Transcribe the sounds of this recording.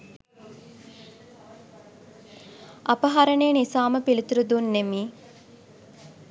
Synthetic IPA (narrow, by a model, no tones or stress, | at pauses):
apɐɦaɾɐɳejːnisaːməpilit̪uɾud̪unːemiː